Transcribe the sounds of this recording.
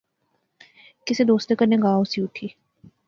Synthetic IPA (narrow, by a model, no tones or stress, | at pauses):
kɪsed̪oːst̪ekəɾnẽɡaːoʊsiʊʈʰiː